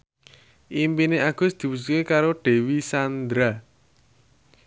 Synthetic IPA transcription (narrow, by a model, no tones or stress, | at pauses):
ʔimpineaɡ̥ʊ̤sd̪̥i̤pus̬ukekaɾoɖ̥e̤wisand̪ɾa